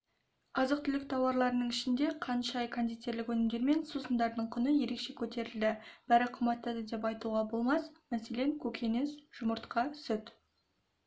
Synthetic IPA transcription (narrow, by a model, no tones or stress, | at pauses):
ɑzəq̚t̪ʰʏlɪk̚t̪ʰɑwɑɾlˠɑɾənəɴɪʃɪnd̪e̞qʰɑnʃɑjkʰand̪it̪ːe̞ɾlɪkwɵnɪmd̪e̞ɾme̞nsusənd̪ɑɾd̪əɴqʰʊnəje̞ɾe̞kʃe̞kʲʰɵt̪e̞ɾɪld̪ɪb̥æɾɪqʰəmbɑt̪ːəd̪əd̪e̞p̬ɑjt̪uʁɑbo̞lˠmɑsmæse̞le̞ŋkʲʰɵkʲʰe̞nesʒ̥ʊməɾt̪qɑsʏt̪